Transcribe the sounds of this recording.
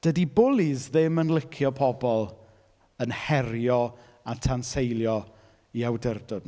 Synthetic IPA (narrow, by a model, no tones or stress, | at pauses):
d̥ədibʊlˠizðɪmənlɪkʰjɔpʰɔbɔlˠ | ənhɛrjɔ | atʰansejlˠjɔ | iawdərdɔd